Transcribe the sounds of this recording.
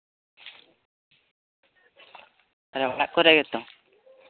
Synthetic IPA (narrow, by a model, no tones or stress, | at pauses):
aɾɛɔɽaʔkɔɾɛʔɡɛt̪ɔ